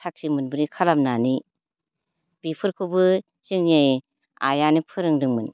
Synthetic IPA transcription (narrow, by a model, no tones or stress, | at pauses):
tʰak̚simɯnbɯɾikʰalamnani | b̥ipʰɯɾkʰɯbɯ | siŋe | a̰janipʰɯɾɯŋdɯŋmɯn